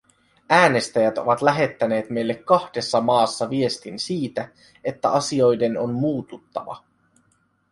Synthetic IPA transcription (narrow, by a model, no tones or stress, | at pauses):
æːne̞st̪æjæt̪o̞ʋɑt̪læɦe̞t̪ːæne̞ːt̪me̞jlːekːɑhde̞sːɑmɑːsːɑʋie̞st̪insiːt̪æ | e̞t̪ːæ̰ɑsio̞jde̞no̞nmuːt̪ut̪ːɑ̰ʋɑ̰